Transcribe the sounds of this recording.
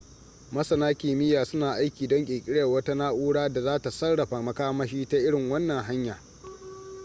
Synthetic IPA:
mɐ˦sɐ˨naː˦kʲeː˨mɪ˦jaː˨sʊ˦naː˨ʔa˦jkʲiː˨dɔ˦ŋkʲʼeː˨kʲʼɪ˦ɽɐ˨wɐ˦ta˦naː˦ʔuː˦ɽaː˦da˨zaː˦ta˨sɐ˦rɽɐ˨ɸa˨mɐ˨kaː˦mɐ˦ʃiː˦ta˦ʔɪ˦ɽɪ˨ŋwɐ˦nːɐ˨ŋɦa˦ɲjaː˨

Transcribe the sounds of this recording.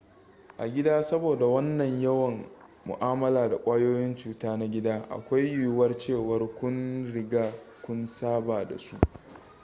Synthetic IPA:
ʔa˨ɡʲɪ˦daː˦sɐ˦boː˨da˨wɐ˦nːɐ˨ɲjɐ˦wɐ˨ŋ | mʊ̰˨ʔaː˦mɐ˦laː˨da˨kʷʼaː˦joː˦jɪ˦nt͡ʃuː˦taː˦na˦ɡʲɪ˦daː˦ʔa̰˨kʷa˦jju˦wɐ˦rt͡ʃeː˦˨wɐ˦rkʷʊ˦nɽɪ˦ɡaː˦kʷʊ˦nsaː˦baː˨da̰˨su˦ʔ

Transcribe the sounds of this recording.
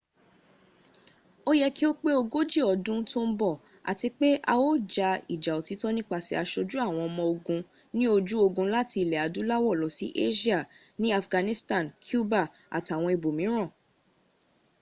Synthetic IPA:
o˦jɛ˦ki˦o˦k͡pe˦o˧ɡo˦d͡ʒi˦˨ɔ˨dũ˦to˦m̩˦bɔ˦˨ | a̰˨ti˧k͡pe˦ʔa˧o˦d͡ʒa˧ḭ˨d͡ʒa˨o˨ti˨˦tɔ˦nĩ˦k͡pa˧˨si˧a˧ʃo˧d͡ʒu˦a˦˨w̃ɔ̃˧ɔ˧mɔ̃˧o˧ɡũ˧ | nĩ˦o˧d͡ʒu˦o˧ɡũ˧la˦ti˧i˨lɛ˨a˨du˨˦la˦wɔ˦˨lɔ˨si˦ʔe˦ʃi˦a˦˨ | nĩ˦a˧fɡã˧nĩ˦stã˦˨nkʰju˦ba˦˨ | a̰˨ta˨w̃ɔ̃˧i˨bo˨mĩ˨˦ɾ̃ã˦˨

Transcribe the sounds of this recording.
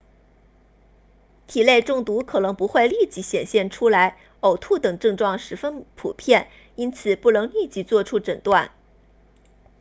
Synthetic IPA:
t̪ʰi˨˩le˥˧ɪʈ͡ʂʊ˥˩ŋt̪u˧˥kʰɤ˨˩nɤ˧˥ŋpu˧˥xwe˥˧ɪli˥˧t͡ɕi˧˥ɕjɛ˨˩nɕjɛ˥˩nʈ͡ʂʰu˥la˧˥ɪ | o˨˩ʊt̪ʰu˥˩t̪ɤ˨˩ŋʈ͡ʂɤ˥˧ŋʈ͡ʂwɑ˥˩ŋʂɻ̩˧˥fə˥npʰṵ˨˩pʰjɛ˥˩n | i˥nt͡sʰɹ̩˨˩pu˥˩nɤ˧˥ŋli˥˧t͡ɕi˧˥t͡swɔ˥˩ʈ͡ʂʰu˥ʈ͡ʂə˨˩nt̪wa˥˩n

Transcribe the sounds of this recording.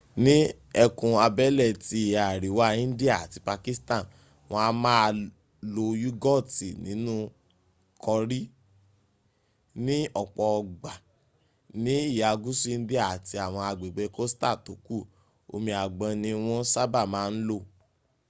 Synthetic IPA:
nĩ˦ | ɛ˧kũ˧a˧bɛ˦lɛ˦˨ti˧˨a˨ɾi˨wa˦ĩ˦n̩˦di˦a˦˨a˨ti˧pa˧ki˦stã˦˨n | w̃ɔ̃˧a˧˦mã˦˧ | lo˧ju˦ɡɔ˦˨ti˨nḭ̃˨˦nũ˦ | kʰɔ˧ɾi˦ | nĩ˦ɔ˦˨k͡pɔ˨˧˨ɡ͡ba˨ | nĩ˨˦i˦˨ja˨ɡu˦su˦n̩˦di˦a˦˨a˨ti˧a˨w̃ɔ̃˧a˧ɡ͡be˨ɡ͡be˨˧ko˦sta˦˨to˨˦ku˦˨ | o̰˧mĩ˧a˨ɡ͡bã˧nĩ˧˦w̃ɔ̃˦sa˦ba˦˨mãː˨˦n̩˦lo˦˨

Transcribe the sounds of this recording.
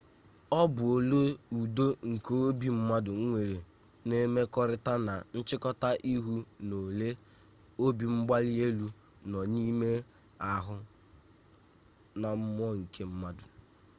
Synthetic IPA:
ɔ˦bʊ˨o˨lo˦u˨do˦ŋ̩˨kʰo˦o˦bi˨m̩˦ma˦dʊ˨ŋ̩˦ŋʷe˨ɾe˨ | ne˦me˦kɔ˦ɾɪ˦ta˦na˨n̩˦t͡ʃɪ˦kɔ˦ta˦ʔi˦ɦu˦no˨le˦ | o˦bi˨m̩˦ɡ͡ba˦lɪ˦e˦lu˦ | nɔ˨ni˦me˦ | a˨ɦʊ˦ | na˨m̩˦m˦ɔ˦ŋ̩˨kʰe˦m̩˦ma˦dʊ˨

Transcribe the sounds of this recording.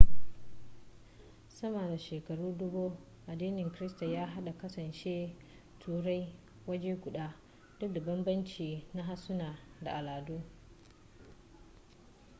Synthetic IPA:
sɐ˦mɐ˨da˨ʃeː˨kɐ˨ɽuː˦dʊ˦bu˦ | ʔa˨diː˦nɪ˨ŋkɪ˦ɾɪ˦sta˨jaː˦ɦa˦ɗa˨kɐ˦sɐ˨nt͡ʃeː˦ | tʰuː˨ɽa˦j | wɐ˦d͡ʒeː˦ɡʷʊ˨ɗaː˦ | d̥ʊ˦k̚da˨bɐ˦mbɐ˦nt͡ʃiː˨na˦ɦa˦sʊ˦naː˨da˨ʔa˨laː˨duː˦

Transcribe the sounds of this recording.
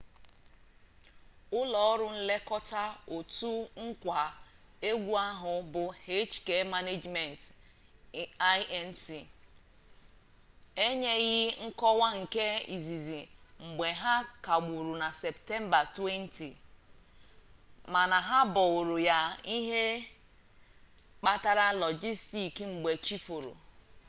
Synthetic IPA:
ʊ˦lɔ˨˦ɾʊ˦n̩˦le˦kɔ˦ta˦o˨tu˦ŋ̩˦kʷa˨e˦ɡʷu˦a˦ɦʊ˨bʊ˨he˦t͡ʃke˦ma˦ne˦d͡ʒme˨n˨t | a˦jɛ˦n̩˦si˨ | e˦ɲe˦ɣɪ˦ŋ̩˦kɔ˦wa˦ŋ̩˨ke˦ḭ˨zi˨zi˨ŋ͡m̩˨ɡ͡be˨ɦa˦ka˨ɡ͡bu˨ɾu˨na˨sɛ˨pte˦m˦ba˨twe˦n˦ti˨ | ma˨na˨ɦa˦bɔ˨o˨ɾo˨ja˨i˦ɦe˦ | k͡pa˦ta˦ɾa˦lɔ˨d͡ʒi˦sti˨kŋ͡m̩˨ɡ͡be˨t͡ʃi˦fo˨ɾo̰˨

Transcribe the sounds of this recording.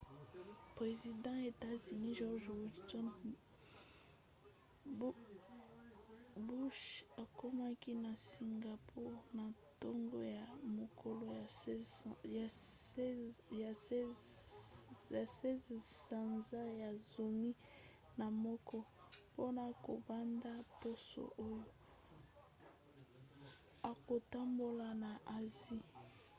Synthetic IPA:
pʁe˨zi˨dɑ̃˦e˨ta˦zi˨ni˦ʒɔ˦ʁʒu˨tɔ˦n | bu˦ʃa˨ko˦ma˦ki˦na˨si˨ŋɡa˨pʰu˦ʁna˨to˦ŋɡo˦ja˨mo˨kʰo˦lo˦a˨ | ja˨˦˨ | se˦zsa˨nza˦ja˨zo˨mi˦ | na˨mɔ˦kɔ˦ | po˦na˨ko̰˨ba˦nda˦po˦so̰˨ʔo˦jo˦ | a˨ko˨ta˦mbo˨la˨na˨ʔa˨zi˦

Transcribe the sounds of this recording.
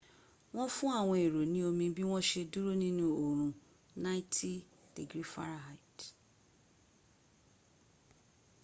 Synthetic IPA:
w̃ɔ̃˦fũ˦a˦˨w̃ɔ̃˧e˨ɾo˨nĩ˦o˧mĩ˧˦bi˦w̃ɔ̃˦ʃe˧du˦ɾo˦nĩ˦nũ˨o˨ɾ̃ũ˨ | nã˦ɪ˦tʰi˦ | d̥e˨ɡɾi˦fa̰˦ɾa˨ɦa˨i˨t

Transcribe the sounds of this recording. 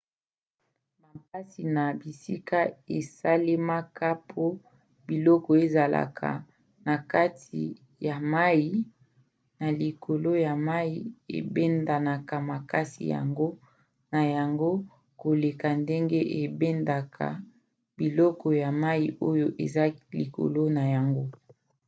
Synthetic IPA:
ma˨ka˦si˨na˨bi˨si˦ka˦e˨sa˦le˦ma˦ka˦pʰo˦ | bi˨lɔ˦kɔ˨e˨za˨la̰˨kʰa̰˨ | na˨ka˦tʰḭ˨ | ja˨ma˦ji˦ | na˨li˨kʰo˨lo˦ja˨ma˦ji˦ḛ˨bɛ˦nda˨na˨ka˨ma˨ka˦sḭ˨ja̰˨ŋɡo˦ | na˨ja˨ŋɡo˦ | ko˨le˨ka˨nde˦ŋɡe˦ʔe˨be˦nda˨kʰa̰˨ | bi˨lɔ˦kɔ˨ja˨ma˦ji˨ʔo˦jo˦ʔḛ˨za˦li˨ko̰˨lo˦na˨ja˨ŋɡo˦

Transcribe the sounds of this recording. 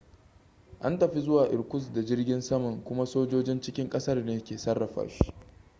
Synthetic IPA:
ʔa˦ntɐ˨ɸi˦zʊ˦waː˨ʔɪ˨ɽkʷʊ˦sda˨d͡ʒɪ˦rɡʲɪ˦nsɐ˦mɐ˨ŋkʷʊ˦ma˦soː˦d͡ʒoː˦d͡ʒɪ˦nt͡ʃɪ˦kʲɪ˦ŋkʼɐ˦sɐ˦rneː˦kʲeː˨sɐ˦rːɐ˨ɸa̰ː˨ʃi̥˦ʔ

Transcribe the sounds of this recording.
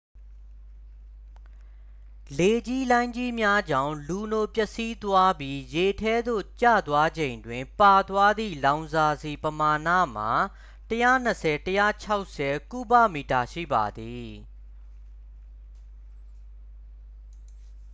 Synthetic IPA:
le˨d͡ʑi˦lã˦ɪ̃ɲd͡ʑi˦mja˦d͡ʑã̰˦˨ʊ̃lu˨no˨pjɛ˦ʔsi˦t̪wa˦bji˦je˨tʰɛ˦d̪o̰˦˨t͡ɕa̰˦˨t̪wa˦d͡ʑẽ˨ɪ̃ndwɪ̃˨mpa˨t̪wa˦d̪ḭ˦˨lã˨ʊ̃nza˨zi˨pəma˨nä̰˦˨m̥a˨ | təjä̰˦˨n̥ə˨sʰɛ˨təjä̰˦˨t͡ɕʰa˦ʊʔsɛ˨ku˦bä̰˦˨mi˨ta˨ʃḭ˦˨ba̰˨d̪i˨

